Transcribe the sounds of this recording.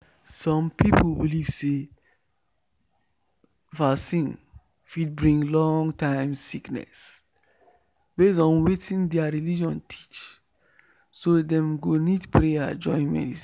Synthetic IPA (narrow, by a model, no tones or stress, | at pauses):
sɔ̃mpiplbiliv̥se | vasĩn | fid̚bɹĩŋlɔ̃ŋtãɪ̃msiknɛ̰s | bes̬ɔ̃nwetʰĩndɛaɹilid͡ʒɔ̃ntʰi̥t͡ʃ | sodɛ̃mɡonidpɹea̰d͡ʒɔ̰̃ɪ̃nmɛ̰nisi